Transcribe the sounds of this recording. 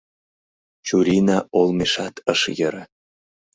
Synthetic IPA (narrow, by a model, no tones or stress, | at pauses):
t͡ɕuɾinɑolˠmeʃɑt̪ʰəʃjəɾə